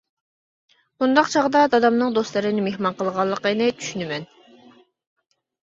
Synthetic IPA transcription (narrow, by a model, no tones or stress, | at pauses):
und̪ɑqt͡ʃʰɑʁd̪ɑd̪ɑd̪ɑmnɨŋd̪ost̪lˠɨɾɨnɪmehmɑnqʰəlˠʁɑlˠːəqenɪt̪ʰy̥ʃynymɛn